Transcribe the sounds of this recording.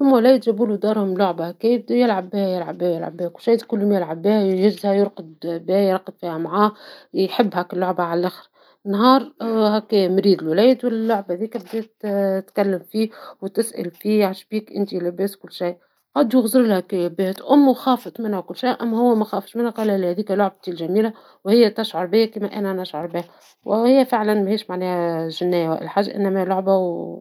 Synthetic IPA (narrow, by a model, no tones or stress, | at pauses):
sʊmːwlæːjd̪ʒæbuːlud̪ɑːɾˤhʊmlʊʕbahkɛːjb̚d̪æjɪlʕabːæːhæjɪlʕabːæːjɪlʕa̰bːɛːkʊlʃajd̪kʊlːʊmjɪlʕabæːhjɪzzhæjʊɾqɑd̪bæːjɾˤɑqːɑd̪fiːhæmʕaːħɪbːhækɪlːoʕbaʕallʔæxɾ | nːɦɑːɾˤhækːɛːmɾiːd̪ɪlwlæːjd̪wɪllːʊʕbaðiːkæb̚d̪eːt̪t̪kælːɪmfiːwt̪ɪsʔæ̰lfiːʕaʃbiːkʔɪ̰nt̪ilɪbeːswkʊlːʃaj | qɑːd̪jʊɣzɾlhækebeht̪ʔʊmːwxɑːfɑt̪ˤmɪnhæwkʊlːʃajʔæmːæhʊwːæmæxɑːfʃmɪnhæqɑːlælhæðiːkæloʕb̚t̪ilʒæmiːlæ | whɪjːæt̪æʃʕʊɾˤbɪjːækiːmæʔænænæʃʕʊɾˤbɪhæ | whɪjːæfɪʕlænmæheːʃmaʕnɛːhæʒɪnːæjæwæ̰ʔɪlħaːʒːæ̰ʔɪ̰nːæmælʊʕbaw